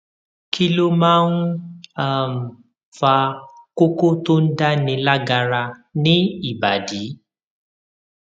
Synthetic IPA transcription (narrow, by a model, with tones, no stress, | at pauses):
ki˦lo˦mãː˦n̩˦a˦˨m̩˨ | fa˧ko˦ko˦to˦n̩˦da˦nĩ˧la˦ɡa˧ɾa˧nĩ˦i˨ba˨di˨˦